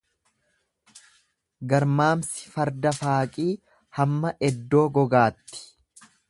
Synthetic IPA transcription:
ɡɐɾmaːmsɪ̥fɐɾd̪ɐfaːkʼiː | hɐmːɐʔɛd̪ːo̞ːɡɔɡaːt̪ːɪ̥

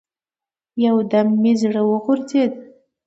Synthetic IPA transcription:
jawd̪amːizɽəwəɣʊɾzed̪

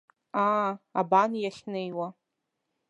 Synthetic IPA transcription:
aabanjaχʲnejwa

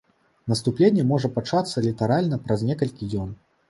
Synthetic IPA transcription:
nɐst̪uplʲenʲːɛmɔʐɐpat͡ʂat̪sːɐlʲit̪ɐɾalʲnɐpɾɐzʲnʲɛkɐlʲkʲijʲɔn

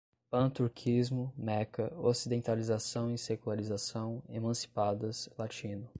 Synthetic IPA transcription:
pɐ̃t̪uɾkʰizmʊmɛkɐosid̪ẽnt̪alizasɐ̃w̃isekulaɾizasɐ̃w̃emɐ̃si̥pad̪ɐslat͡ʃĩnʊ

